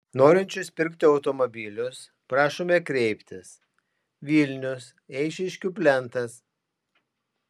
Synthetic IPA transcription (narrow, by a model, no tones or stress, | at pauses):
noːɾʲɪnʲt͡ʃʲʊspʲɪɾʲkt̪ʲɪɒʊt̪ɔmɔbʲilʲʊs | pɾɑːʃoːmʲɛkɾʲɛɪpʲt̪ʲɪs | ʋʲiːlʲnʲʊs | ɛɪʃʲɪʃʲkʲʊpʲlʲɛnt̪ɐs